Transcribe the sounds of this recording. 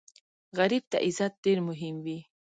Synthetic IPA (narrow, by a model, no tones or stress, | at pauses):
ɣaɾib̚t̪a̰ʔɪzat̪̚ɖeɾmʊɦɪmwi